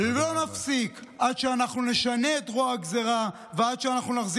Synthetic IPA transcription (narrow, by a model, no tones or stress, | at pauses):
lo̞nafsikʔad̪ʃeanaχnune̞ʃane̞ːt̪ʁoaɡzeʁa | vead̪ʃeanaχnunaχzi